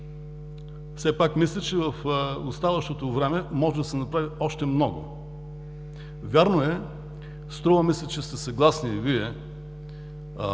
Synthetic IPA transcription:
fsɛpakmislʲɐt͡ʃɛvɐfost̪avɐʃt̪ot̪ovɾɛmɛmɔʒɛd̪ɐsɛnɐpɾaviɔʃt̪ɛmnɔɡʊ̰ | vʲaɾnoɛ | st̪ɾɔvɐmislʲɐt͡ʃɛst̪ɛsɐɡlˠasniviɛ

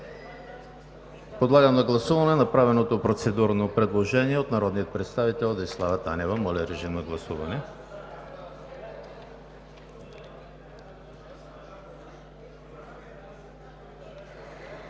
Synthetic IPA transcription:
pod̪lˠaɡəmnɐɡlˠɐsuvɐnɛnɐpɾavɛnot̪opɾot̪sɛd̪uɾnopɾɛd̪lˠoʒɛniɛot̪nɐɾɔd̪niət̪̚pɾɛt̪st̪avit̪ɛlˠd̪ɐislˠavət̪anɛvəmɔlʲɛɾɛʒimnɐɡlˠɐsuvɐnɛ

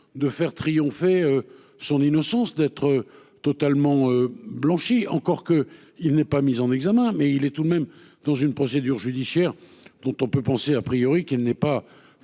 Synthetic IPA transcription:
d̪əfɛʁt̪χijɔ̃feø | sɔ̃ninɔsɑ̃sd̪ɛt̪χə | t̪ɔt̪almɑ̃øblɑ̃ʃiɑ̰̃kɔʁkə | ilnɛpamizɑ̃nɛɡzamɛ̃mɛilɛt̪ud̪mɛm | d̪̥ɑ̃zynpχɔsed̪yʁʒyd̪isjɛʁd̪̥ɔ̃t̪ɔ̃pøpɑ̃seapχijɔʁikilnɛpa

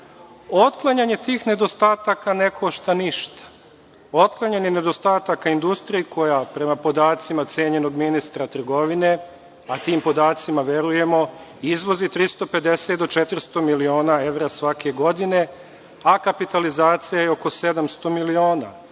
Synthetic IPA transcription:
o̞t̪klˠaɲaɲe̞t̪iːxne̞d̪o̞st̪aːt̪akanekoʃt̪aniʃt̪ḁ | o̞t̪klˠaɲaɲe̞ned̪o̞st̪aːt̪akaind̪ust̪ɾijikʰo̞japɾe̞mapo̞d̪aːt̪simat̪sʲeːɲe̞no̞ɡminist̪ɾat̪r̩ɡo̞ʋine̞ | at̪iːmpo̞d̪aːt̪simaʋe̞ɾuje̞mo̞ | izʋo̞zit̪ɾist̪o̞pe̞d̪e̞set̪d̪o̞t͡ʃet̪ɾst̪o̞milio̞ːnae̞ʋɾasʋakʰe̞ɡo̞d̪ine̞ | akapit̪alizaːt̪sijajeo̞ko̞se̞d̪amst̪o̞milio̞ːna̰

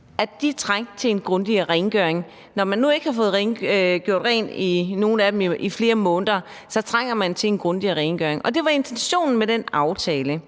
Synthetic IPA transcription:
ædd̥it͡sʰʁaŋ̰̥t͡sʰe̝enɡ̥ʁɔ̽nd̥iʁɛnɡ̥øɐeŋ | nɒmænːue̝ɡ̥hɑ̈fɔ̽ːð̞̩ˠʁenɡ̥jo̝ɐ̰d̥ʁɛ̰nino̝ːn̩æd̥emifle̝ːɐmɔ̽ːnðˠɐ | sɒ̽t͡sʰʁaŋ̰ɐmænt͡sʰe̝lenɡ̥ʁɔ̽nd̥iʁɛɪnɡ̥øɐe̝ŋɒ̽d̥e̝ʋɑ̈e̝nt͡sʰenɕo̝̰ːnn̩medenɑ̈ʊt͡sʰɛːlə

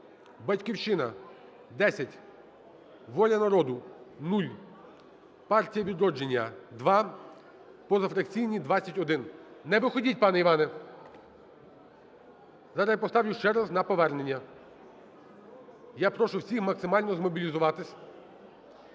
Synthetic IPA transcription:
bɐtʲkʲiwt͡ʃɪnɐ | d̪ɛsʲɐtʲ | ʋɔlʲɐnɐɾɔd̪ʊnulʲ | pɑrtʲijɐʋʲid̪ɾɔd͡ʒenʲːɐd̪ʋɑ | pɔzɐfɾɐkt͡sʲijnʲid̪ʋɑt͡sʲːɐtʲɔd̪ɪnnɛʋɪxɔdʲit̚ʲpɑnɛiʋɑnɛ | zɑɾɐipɔst̪ɑwjʊʃt͡ʃɛɾɑznɐpɔʋɛrnenʲːɐ | japɾɔʃʊwsʲixmɐksɪmɑlʲnɔzmɔbʲilʲizʊʋɑt̪ɪsʲ

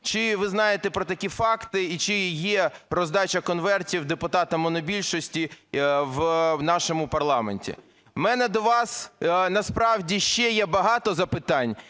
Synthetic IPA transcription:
t͡ʃɪʋɪznɑjet̪ɛpɾɔt̪ɐkʲifɑkt̪ɪit͡ʃɪjɛrɔzd̪ɑt͡ʃɐkɔnʋɛrtʲiwd̪epʊt̪ɑt̪ɐmɔnɔbʲilʲʃɔsʲtʲiwnɑʃɔmʊpɐrlˠɑmḛnʲtʲḭ | mɛnɛd̪ɔʋɑsnɐspɾɑwdʲiʃt͡ʃɛjɛbɐɦɑt̪ɔzɐpɪt̪ɑnʲ

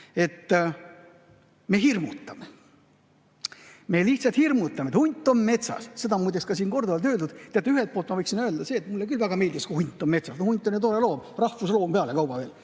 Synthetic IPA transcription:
e̞t̪ː | me̞ɦirmut̪ːˑɑme | me̞liht̪sɑlt̪hirmut̪ːˑɑmeet̪hunʲt̪ːˑo̞nme̞t̪sɑ̰sse̞d̪ɑmujd̪eskɑsiːnko̞rd̪ovɑlt̪̬øːld̪ud̪t̪eɑt̪eyɦelt̪̚polt̪mɑvɤjksinøeld̪ɑse̞ːt̪mulːekylvæɡ̥ɑme̞ːld̪iskuhunʲt̪ːˑomme̞t̪sɑsnohunʲt̪ːˑo̞njet̪o̞ɾe̞lo̞ːmrɑhfuslo̞ːmpe̞ɑlekɑwbɑve̞ːl

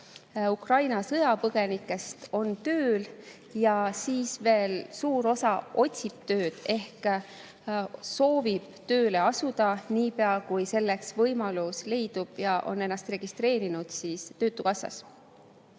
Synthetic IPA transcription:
ukrɑjnɑsɤ̞jɑpɤɡ̥e̞nikːˑe̞st̪o̞nt̪øːl | jɑsiːsve̞ːlsuːɾo̞sɑo̞tʲsib̥̚t̪ø̞ːd̪̥e̞hk | so̞ːvib̥̚t̪ø̞ːle̞ɑsud̪̥ɑniːpeɑkujse̞lːe̞ksvɤjmɑlusle̞jd̪̥ub̥jɑʔo̞̰ne̞nːɑst̪re̞ɡ̥ist̪ɾe̞ːɾinud̪̥siːst̪øːt̪ːˑukɑsːɑ̰s

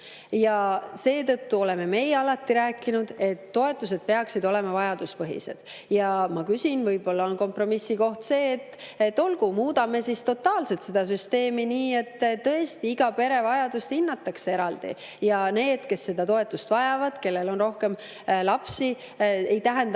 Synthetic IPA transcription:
jɑse̞ːt̪ɤt̪ːuo̞le̞me̞me̞jeɑlɑt̪ːiɾæːkːˑinud̪̥e̞t̪ːo̞e̞t̪ːˑus̬e̞d̪̥̚pe̞ɑksid̪o̞lemɑvɑjɑd̪uspɤɦḭse̞̰d̪̥ | jɑmɑkysʲinvɤjb̥o̞lːɑo̞nko̞mpro̞misːiko̞ht̪se̞ːt̪ːet̪ːo̞lɡumuːd̪ɑme̞sist̪o̞t̪ːˑɑːlse̞lt̪se̞d̪̥ɑs̬yst̪e̞ːminiːe̞t̪ːt̪ːɤe̞st̪iiɡ̥ɑpe̞ɾe̞vɑjɑd̪̥ust̪hinːɑt̪ːˑɑkse̞ɾɑld̪ḭ | jɑne̞ːd̪̥ke̞sːe̞d̪̥ɑt̪o̞e̞t̪ːˑust̪vɑjɑvɑd̪̥ke̞lːe̞lo̞nro̞hke̞m | lɑpsi | ejt̪æɦend̪

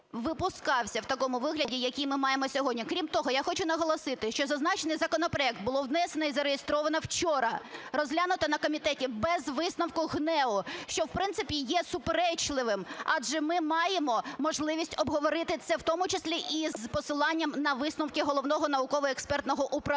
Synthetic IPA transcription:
ʋɪpʊskɑwsʲɐwt̪ɐkɔmʊʋɪɦlʲɐdʲijɐkʲijmɪmɑjemɔsʲɔɦɔdʲnʲikɾʲimt̪ɔɦɔjaxɔt͡ʃʊn̪ɐɦɔlˠɔsɪt̪ɪʃt͡ʃɔzɐznɑt͡ʃenɪjzɐkɔnɔpɾɔɛk̚t̪̚bʊlˠɔwnɛsenɐizɐɾejest̪ɾɔʋɐnɐwt͡ʃɔɾɐrɔzʲɦlʲanʊt̪ɐnɐkɔmʲit̪ɛtʲibɛzʋɪsnɐwkʊɦnɛʊʃt͡ʃɔwpɾɪnsɪpʲijɛsʊpeɾɛt͡ʃlˠɪʋɪmɑd͡ʒʒɛmɪmɑjemɔmɔʒlˠɪʋʲisʲtʲɔbɦɔʋɔɾɪt̪ɪt̪sɛwt̪ɔmʊt͡ʃɪsʲlʲiʔizpɔsɪlˠɑnʲːɐmnɐʋɪsnɐwkʲɪɦɔlˠɔʋnɔɦɔnɐʊkɔʋɔɛkspɛrt̪nɔɦɔʔʊpɾɐ

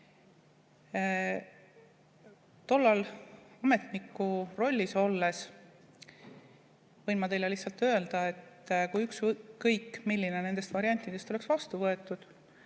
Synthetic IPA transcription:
t̪o̞lːɑlɑme̞t̪nikːˑuro̞lʲːiso̞lːe̞s | vɤjnmɑt̪e̞jle̞liçsɑlt̪ːˑø̞e̞ld̪ɑe̞t̪ːˑkujyksːɤjkːˑmilːine̞ne̞nd̪e̞st̪vɑɾiɑnʲt̪ːˑid̪̥e̞st̪o̞le̞ksvɑst̪uvɤe̞t̪ˑːud̪̥

